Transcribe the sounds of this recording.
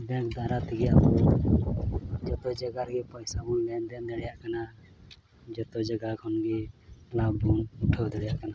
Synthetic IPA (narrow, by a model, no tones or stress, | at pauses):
bɛ̃kd̪aɾat̪ʰiɡijaʔbɔn | d͡ʒɔt̪ɔd͡ʒaɡaɾɡipɔjsamɔnlɛnd̪ɛnd̪ɛɽɛjaʔkana | d͡ʒɔt̪ɔd͡ʒaɡakʰɔnɡilabunuʈʰəwd̪ɛɽɛjaʔkana